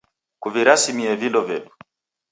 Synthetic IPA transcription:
kuviɾasimiɛvindɔvɛdu̥

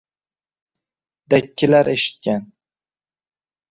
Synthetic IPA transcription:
d̪̥akʲːɪlaɾeʃɪ̥t̪̚kʲan

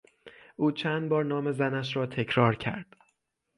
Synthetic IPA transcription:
ʔuːt͡ʃʰæːnd̪̚bɒːɾnɒːme̞zænæʃɾɒːt̪ʰe̞cʰɾɒːɾcʰæ̰ɾd̪̥

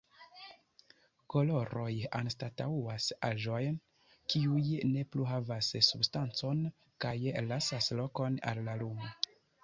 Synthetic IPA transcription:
ko̞lo̞ɾo̞janstatauasa̰ʒo̞jn | kiujne̞pluɦavasːubstant͡so̞n | kajlasaslo̞ko̞na̰lːalumo

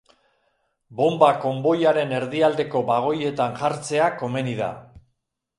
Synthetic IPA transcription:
bo̞mbako̞mbo̞jaɾe̞ne̞ɾðiald̪e̞ko̞baɣ̞o̞je̞t̪anʝaɾt͡se̞ako̞me̞niða̰

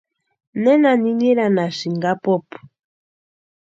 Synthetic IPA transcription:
nɛnaniɲiɾanaʃiŋɡapɔpu̥

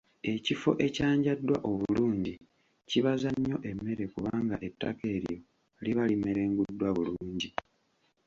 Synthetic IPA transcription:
e̞cifo̞̰ʔe̞caːɲɟadːwa̰ʔo̞βuluːɲɟi | ciβazaɲːo̞ʔe̞mːe̞ɾe̞kuβaːŋɡaʔe̞tːa̰ke̞ːɾijo̞ | liβalime̞ɾe̞ːŋɡudːwaβuluːɲɟi

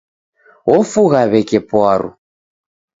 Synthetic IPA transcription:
ɣɔfuɣaβɛkɛpwaɾʔṵ

